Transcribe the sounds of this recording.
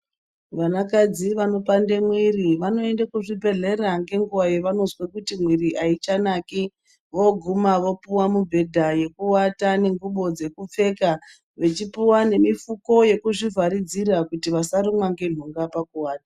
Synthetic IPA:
ʋanakad͡ziʋano̞pande̞mwiriʋano̞e̞ndakuʐibʱe̞ɮe̞ɾaŋɡe̞ŋɡuwajeʋano̞zwekutimwiriʔait͡ʃanaki | ʋo̞ɡʱumaʋo̞puwamubʱe̞dʱaje̞kuwatane̞ŋɡuɓo̞d͡ze̞kup͡fe̞ːka | ʋe̞t͡ʃipiwane̞mifuko̞je̞kuʐivʱaɾid͡zirakutiʋasaɾimwaŋɡe̞ɮ̤uŋɡapakuwaːta

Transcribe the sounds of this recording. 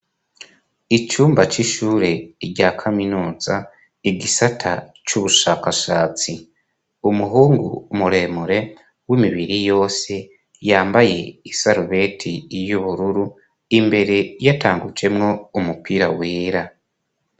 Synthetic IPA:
it͡ʃuːmbat͡ʃiʃuːɾe̞iɾɟaːkʰaminuːz̥a | iɡisatʰat͡ʃuβuʃaːkaʃaːt͡si | umuɦuːŋɡumuɾe̞muɾe̞ | wimiβiɾijo̞ːse̞ | jaːmbaje̞isaɾuβe̞tʰijuβuɾuɾu | imbe̞ɾe̞jataːŋɡud͡ʒe̞mŋo̞umupiɾaweːɾa

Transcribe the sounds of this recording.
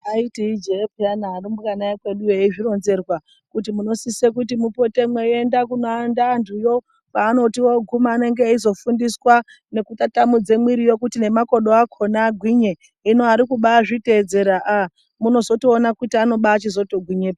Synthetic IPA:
aitiid͡ʒepujanaːɾimukanaekwe̞ɗujeiʐiro̞nze̞rwa | kutimuno̞sisekut̬imupo̞te̞mweendakunoandantʰujo̞ | paːno̞tiwoɡʱumaːne̞ŋɡeizo̞fundiswa | ne̞kutatamud͡ze̞mwiɾijo̞kutine̞mako̞ɗo̞akʰo̞naɡʱwiɲe | ino̞aɾikuɓaːʐite̞d͡ze̞ɾaʔa | muno̞zo̞toːnakutiano̞ɓaːt͡ʃizo̞toɡʱwiɲeːpa

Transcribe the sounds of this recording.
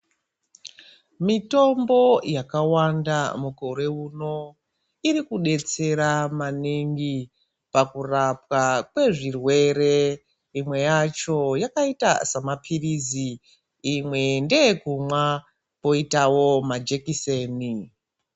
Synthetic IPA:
mito̞mbo̞jakawandamuko̞ɾe̞uno̞ | iɾikuɗe̞t͡se̞ɾamaniŋɡi | pakurap̚wakwe̞ʐirwe̞re̞ | imwe̞jat͡ʃo̞jakaita̰samapʰiriziː | mwe̞nde̞kumwa | po̞itawo̞mad͡ʒe̞kise̞ːni

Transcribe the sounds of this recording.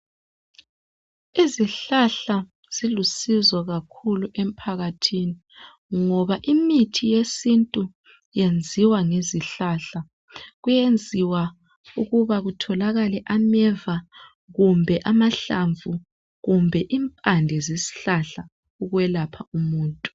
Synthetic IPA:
iziɬaɬa | z̥ilusizwɔɣakʰuluʔem̩pʰaɣatʰini | ŋɔβaʔimitʰijesintʼu | jend͡zʱiwaŋeziɬaɬa | ɣujend͡zʱiwa | uɣuβaɣutʰɔlaɣalɛʔamɛva | ɣumbʱɛʔamaɬaɱvʱu | ɣumbʱɛʔimpʼandʱɛzisi̥ɬaɬa | uɣwɛlapʰaumuːntʼu̥

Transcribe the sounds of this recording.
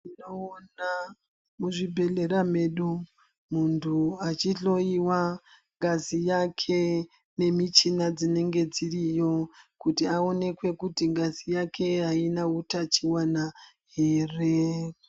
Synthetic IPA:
inoona | muʐibʱe̞ɮe̞ɾame̞ɗu | muntʰuat͡ʃiɬo̞iwa | ŋɡazijakʰe̞ | ne̞mit͡ʃinad͡zine̞ŋɡe̞d͡zirijo̞kutiao̞ne̞kwe̞kutiŋɡazijake̞ɦainautat͡ʃiwana | ɦe̞ːre

